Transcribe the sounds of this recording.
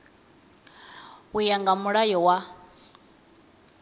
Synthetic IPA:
ujaŋɡamuɺajɔwa

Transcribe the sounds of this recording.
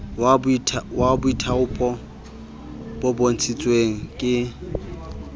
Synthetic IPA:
wabtʰwabʊitʰaʊpʼɔ | b̥ʊbon̩t͡sʰit͡sʼweŋ̩kʼɪ

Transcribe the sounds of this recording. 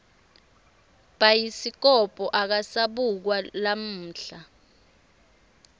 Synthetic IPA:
ɓ̥ajisik̬ɔpʼɔʔak̬asaɓuk̬walam̩ːɬa

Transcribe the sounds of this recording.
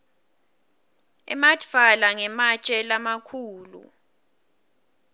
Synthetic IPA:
ɛ̰matfalaŋɛmat͡ʃʼɛlamakʰuːlṵ

